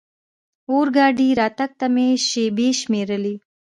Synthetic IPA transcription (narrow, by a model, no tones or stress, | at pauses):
oːɾɡɑːɖiɾɑːt̪ak̚t̪ameʃebeʃmeːɾəli